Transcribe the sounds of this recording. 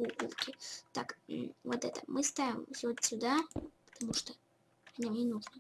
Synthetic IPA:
uʔṵlkʲɪt̪akvot̪ɛt̪əmʔɨst̪avʲɪmsʲot̪sʲʊd̪apə̥t̪ɐmuʂt̪o | anʲamnʲinuʐnɨ

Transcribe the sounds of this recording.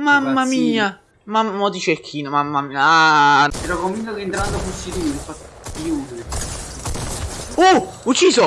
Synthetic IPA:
mamːamiːa | mamːot̪it͡ʃekʰːiːnomamːaiaɛɾɔkomviŋkokeːnt̪ɾand̪ofusːit̪uafat̪ | ijuːd̪eɾe | uut͡ʃːiːso

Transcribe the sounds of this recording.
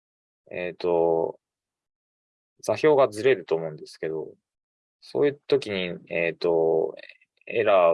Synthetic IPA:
eːt̪o̞ | d͡zaçʲo̞ːɡazɨɾe̞d̪ɯ̟t̪o̞ːmo̞ɯ̃nd̪e̞sɨ̥ke̞d̪o̞ | so̞̰ːjɯ̟t̪o̞kʲiɲ̟iet̪o | ḛɾa

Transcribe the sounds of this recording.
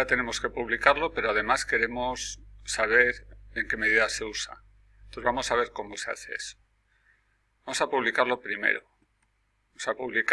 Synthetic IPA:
at̪e̞ne̞mo̞ske̞puβlikaɾlo̞pe̞ɾo̞að̞e̞maske̞ɾe̞mosːaβ̞e̞ɾe̞ŋke̞me̞ð̞iðase̞usa̰ | nozβamo̞saβ̞e̞ɾko̞mo̞se̞a̰θe̞ḛso̥ | bamo̞sapuβlikaɾlo̞pɾime̞̰ɾo̞ | aosapuβlik

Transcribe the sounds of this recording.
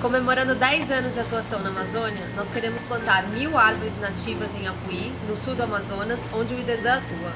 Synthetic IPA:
kõmemoɾɐ̃nd̪ʊd̪ɛjzɐ̃nʊzd͡ʒɪat̪uasɐ̃w̃nɐamazõniɐnɔskeɾẽmʊsplɐ̃nt̪aɾmiwaɾvʊɾɪznat͡ʃivɐzẽj̃akui | nʊsuwd̪ʊamazõnɐsõd͡ʒɪʊid̪ed̪ɐat̪uɐ

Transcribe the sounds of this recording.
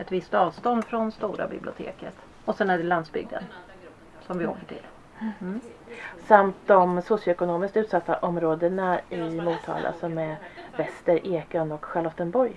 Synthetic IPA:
ɛt̪vɪst̪ɑːvst̪ɔnd̪fɾɔnst̪uːɾa̰bɪ̰blɪʊt̪ʰḛːkət̪ | ɔsɛnæɖɛland̪sbʏ̰ɡ̚d̪ə̰n | sɔmvɪo̰ːkəʈʰɪ̰l | samt̪̚d̪ɔmsʊsjʊɛkʊnoːmɪskt̪ʉ̟ːt̪sat̪ːaʔɔmɾoːd̪əɳaɪmuːt̪ʰːɑ̰ːlʔa̰sɔmɛvɛst̪əɾʔeːkənːɔkɧalɔt̪ːənbɔɾj

